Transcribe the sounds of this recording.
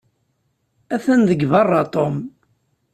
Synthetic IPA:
æθənðəɡvɑrˤːɑt̪ˤom

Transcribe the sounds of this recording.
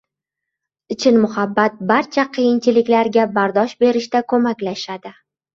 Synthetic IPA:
ɪt͡ʃʰɪnmʊhabːat̪̚baɾt͡ʃʰaqʰɨjɪnt͡ʃʰɪlɪkʲlaɾɡʲabaɾd̪ɒʃbe̞ɾɪʃt̪akʰɵmakʲlaʃad̪ɪ

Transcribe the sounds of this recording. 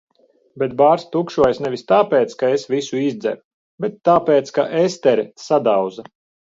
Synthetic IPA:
bɛt̪̚baːɾst̪ukʃuɔjsnɛvʲist̪aːpeːt̪skaesvisuizd̪zɛ̰ɾu | bɛt̪ːaːpeːt̪skaʔest̪ɛɾisad̪aw̪za

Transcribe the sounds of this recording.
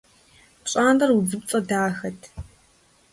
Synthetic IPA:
pɕʼaːnɐruzɨp̚t͡sʼɐdaːxɐtʰ

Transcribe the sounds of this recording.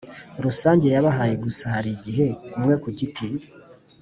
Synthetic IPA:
ɾusaːɲɟe̞jaβaɦaje̞ɡusahaɾiɟiɦe̞nimŋe̞kuciti

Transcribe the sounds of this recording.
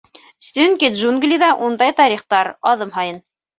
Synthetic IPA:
sɵŋkʲid̪ʒuŋɡlʲiðɑʔund̪ɑjt̪ɑɾiχt̪ɑɾɑðɤmɦɑjɤn

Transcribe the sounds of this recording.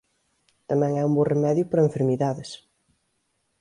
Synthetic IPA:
t̪ɐmɛ̃ŋɛumboremɛðjʊpɐɾɐeɱfeɾmiðaðɪs

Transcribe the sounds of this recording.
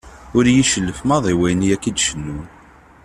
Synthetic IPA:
ʊɾjiʃəlːəfmɑðˤiwæjnijækːid̪ʃənːun

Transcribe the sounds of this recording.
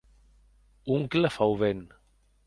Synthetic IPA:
uŋkləfawβen

